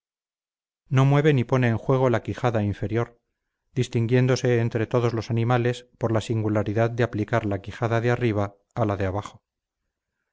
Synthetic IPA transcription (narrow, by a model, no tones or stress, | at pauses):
no̞mwe̞β̞e̞nipo̞ne̞ːŋxwe̞ɣ̞o̞lakixaðaiɱfe̞ɾjo̞ɾ | d̪ist̪iŋɡje̞nd̪o̞se̞ːnt̪ɾe̞t̪o̞ðo̞zlo̞sanĩmale̞spo̞ɾlasiŋɡulaɾiðaðd̪eaplikaɾlakixaðaðeariβ̞aː | laðeaβ̞aχo̞